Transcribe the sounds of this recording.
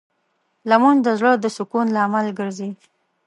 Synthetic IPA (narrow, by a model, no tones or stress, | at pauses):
lamund̪əzɽəd̪əsʊkunlaːmalɡəɾzi